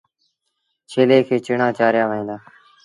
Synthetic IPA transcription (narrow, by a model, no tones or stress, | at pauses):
t͡ʃʰeːleːkʰeːt͡ʃɪɳãːt͡ʃaːɾɪjaːʋəɦẽːd̪aː